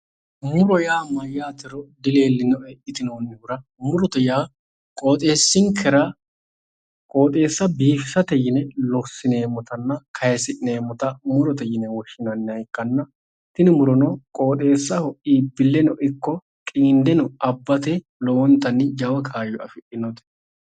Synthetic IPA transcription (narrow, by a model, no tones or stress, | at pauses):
mʊɾɔjaːmɐjːaːt̪ɪɾɔd̪ɪle̞ːlːɪnɔɛʔɪt̪ɪnoːnːʊɾɐmʊɾɔt̪ɛjaː | kʼo̞ːt̪ʼeːsːɪŋkʰɛɾa | kʼo̞ːt̪ʼe̞ːsːɐbiːfɪsɐt̪ɛjɪnɛlɔsːɪne̞ːmːɔt̪ɐnːɐkʰɐjɛsɪʔɪne̞ːmɔt̪ɐmʊɾɔt̪ɛjɪnɛwɔʃːɪnɐnːɪɐkːɐnːɐ | t̪ɪnɪmʊɾɔnɔkʼo̞ːt̪ʼe̞ːsːɐhɔʔiːbɪlːɛnɔʔɪkːɔ | kʼiːnd̪ɛnʊɐbːɐt̪ɛ | lɔwɔnt̪ɐnːɪd͡ʒɐwɐkʰaːjɔɐfɪʔɪnɔt̪ɛ̥